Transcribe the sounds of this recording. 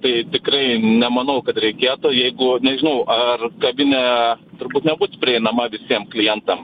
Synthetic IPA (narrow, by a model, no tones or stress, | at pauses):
t̪ɐɪt̪ʲɪkɾɐɪnʲɛmɐnɐʊkɐt̪ɾʲɛɪkʲeːt̪ʊjɛɪɡʊnʲɛʒʲɪnɐʊʔɐrkɐbʲɪnʲɛt̪ʊɾbuːt̪nʲɛbuːt͡sʲpʲɾʲɪɛɪnɐmɐʋʲɪsʲiɛmklʲɪjɛnt̪ɐm